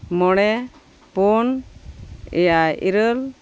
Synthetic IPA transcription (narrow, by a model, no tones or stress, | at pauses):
mɔɽ̃ɛ | pɔn | ɛ̰jaḭɾəl